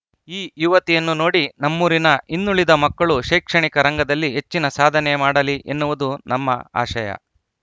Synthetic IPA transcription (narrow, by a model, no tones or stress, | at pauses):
iːjuʋɐt̪ijɐnːuno̞ːɽinɐmːuːɾinɐʔinːuɭid̪ɐmɐkːɐɭuʃeːkʂɐɳikɐɾɐŋɡɐd̪ɐlːiɦet͡ʃːinɐsaːd̪ʱɐnɛmaːɽɐliʔenːuʋud̪unɐmːɐ̰a̰ːʃɐjɐ̰